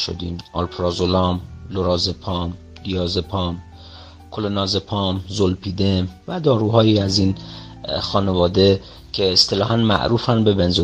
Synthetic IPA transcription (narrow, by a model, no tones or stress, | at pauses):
ʃo̰d̪iːmʔɒlpʰɾɒːzolɒːmloɾɒːzepʰɒːm | lijɒːzepʰɒːm | kʰolenɒːzepʰɒːmzolpʰiːd̪emvæd̪ɒːɾuɦɒːjiːæzin | xɒːnevɒːd̪e̞ | cʰeːst̪ʰe̞lɒːɦænmæ̰ʔɾuːfænbe̞benzo